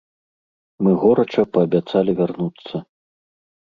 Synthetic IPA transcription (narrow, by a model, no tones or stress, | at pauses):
mɨɣɔɾɐt͡ʂɐpɐːbʲat̪salʲivʲarnut̪sːɐ